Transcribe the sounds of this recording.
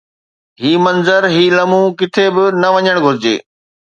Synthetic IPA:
ɦiːmɐnzəɾɦiːlɐmũkɪt̪ʰebɪnɐʋɐɲəɽ̃ɡʱʊɾɪd͡ʑḛː

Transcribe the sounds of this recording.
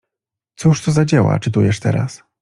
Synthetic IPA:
t̪suʂt̪uzad͡ʑawa̰t͡ʂɘt̪ujɛʂt̪ɛ̰ɾa̰s

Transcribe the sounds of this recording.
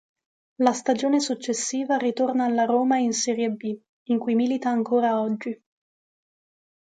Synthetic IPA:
last̪ad͡ʒoːnesut͡ʃːesːiːvarit̪ornaːlːaɾoːmainsɛːɾjebi | iŋkujmilit̪aːŋkoːɾaɔd͡ʒːi

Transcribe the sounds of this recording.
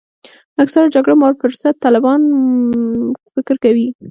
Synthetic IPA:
aksaɾad͡ʒaɡɽamaɾfʊɾsat̪ːɑlɪbɑn | fɪkɾkawi

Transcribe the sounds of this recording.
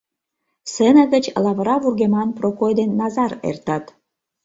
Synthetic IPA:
senə̆ɣə̆t͡ɕlɑβə̆ɾɑβurɣemɑnprokojd̪enːɑzɑɾḛrt̪ɑt̪

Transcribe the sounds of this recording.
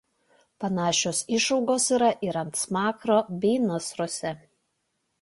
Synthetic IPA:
pɐnɑːʃʲoːsɪʃɒʊɡoːsiːˑɾɐʔɪɾɐmt̪smɑːkɾoːbʲɛːnɐsɾoɔsʲɛ

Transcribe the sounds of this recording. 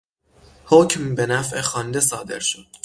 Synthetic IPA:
hoːcmbe̞næfʔexɒːnd̪e̞sɒːd̪e̞̰ɾʃod̪̥

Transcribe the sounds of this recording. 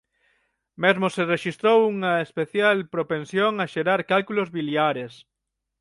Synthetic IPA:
mezmosereʃist̪ɾowuŋɐespeθjalpɾopẽnsjoŋaʃeɾaɾkalkulozβiljaɾes

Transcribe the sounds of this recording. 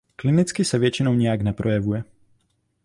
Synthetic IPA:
klɪnɪt͡skɪsɛvjɛt͡ʃɪnowɲɛjaɡnɛpɾojɛvujɛ

